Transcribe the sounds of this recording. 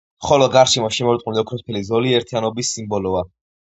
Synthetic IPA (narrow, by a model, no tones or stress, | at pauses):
χɔlɔɡaɾʃimɔʃimɔɾt̪ʼuliɔkʰɾɔspʰɛlizɔliɛɾt̪ʰianɔbisːimbɔlɔa